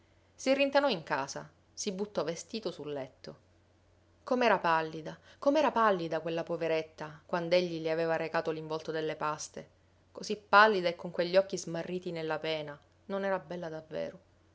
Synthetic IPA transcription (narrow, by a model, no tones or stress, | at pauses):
sirːint̪anɔiŋka̰ːza̰ | sibːut̪ːɔvest̪iːt̪osulːɛt̪ːo | komɛːɾapalːid̪akomɛːɾapalːid̪akwelːapoveɾet̪ːakwand̪eʎːiliaveːvaɾekaːt̪oliɱvɔlt̪od̪elːepast̪e | kosipːalːid̪aekːoŋkweʎːɔk̟ːizmarːiːt̪inelːapɛːna | nonɛːɾabːɛlːad̪avːḛːɾo